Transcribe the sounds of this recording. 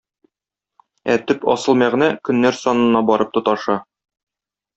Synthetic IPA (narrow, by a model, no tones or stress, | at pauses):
æt̪ɵpɒ̰sɤ̆lˠmæʁnækɵ̆nːæɾsɒnɤ̆nːɑbɒɾɤp̚t̪ŏt̪ɑʃɑ